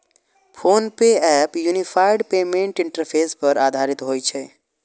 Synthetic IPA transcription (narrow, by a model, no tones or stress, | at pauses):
pʰoːnpeɛːpjunipʰaːɪɖpeːmẽɳʈɪ̃ɳʈəɾpʰeːspəɾaːd̪ʱaːɾɪt̪ɦoːit͡ʃʰɛː